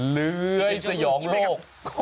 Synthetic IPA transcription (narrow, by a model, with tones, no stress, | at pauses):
lɯ˨˦˧əjsa˧jɔː˩˦ŋloː˥˩k | kʰ